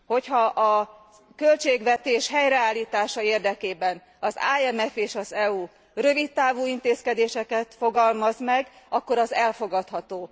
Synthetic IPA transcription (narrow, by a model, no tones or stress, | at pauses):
ho̞chɒʔɒ | kø̞lt͡ʃeːɡʋɛt̪eːʃɦɛjrɛaːlːiːt̪aːʃɒeːrd̪ɛkeːbɛn | ɒza̰ːɛmɛfeːʃɒzɛuː | rø̞vit̪ːaːvuːint̪eːskɛd̪eːʃɛkɛt̪fo̞ɡɒlmɒzmɛɡ | ɒkːo̞ɾɒzɛlfo̞ɡɒt̪hɒt̪oː